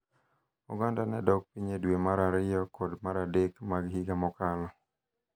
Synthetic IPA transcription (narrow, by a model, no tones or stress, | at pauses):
ṵɡandanɛdɔk̚piɲedwemaɾaɾɪjɔkɔdmaɾadekmaɡhiɡamɔkalɔ